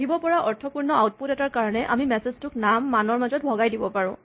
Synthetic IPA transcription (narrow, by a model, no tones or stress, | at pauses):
ibɔpɔɹaʔɔɹtʰɔpuɹnɔawt̚putɛtaɹkaɹɔnɛʔa̰mimɛseztʊknamːanɔɹmazɔt̚bʱɔɡajdibɔpaɹʊ̃